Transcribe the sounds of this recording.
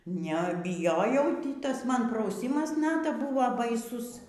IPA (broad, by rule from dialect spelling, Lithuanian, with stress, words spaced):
nʲɛbʲɪˈjoːjɛʊ ˈtʲiː ˈtɐs ˈmɐn prɐʊˈsʲiːmɐs ˈnɑːtɐ ˈbʊʋoː bɐɪˈsʊs